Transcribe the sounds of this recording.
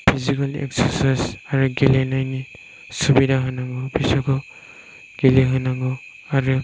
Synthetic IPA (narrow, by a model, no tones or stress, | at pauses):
pʰizikalḛksaɾsajsaɾuɡelenajni | subidaɦɯnaɡɔbisɔkɔ | ɡ̥eliɦɯnaɡɔ | aɾɯ